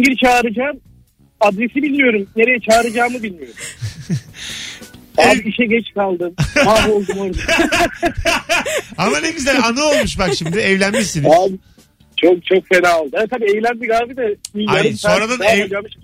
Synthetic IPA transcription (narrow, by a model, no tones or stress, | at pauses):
ɟiɾt͡ʃʰaːɾɯd͡ʒaːm | ad̪ɾesibilʲmijo̞ɾumne̞ɾejɛt͡ʃʰaːɾɯd͡ʒaːmɯbilʲmijo̞ɾu | aːbiiʃɛɟɛt͡ʃkalˠd̪ɯmmaːo̞lˠd̪umoɾd̪a | amaneɡyzælʲanɯo̞lˠmuʃ̬bakʃimd̪ɪɛvlʲænmiʃsinaːbi | t͡ʃʰok̚t͡ʃʰok̚fenaːlˠd̪ɯat̪ʰabiːɛvlʲænbiɡaːbid̪ɛbijaaɾɯsao̞nɾad̪anɛad͡ʒaːmɯʃ